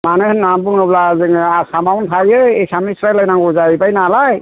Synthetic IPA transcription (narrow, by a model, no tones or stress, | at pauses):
manɯhɯnnambuŋnɔblazɯŋasamawntʰajɯesamisɾajlajnaŋɡɔzaibajnalaj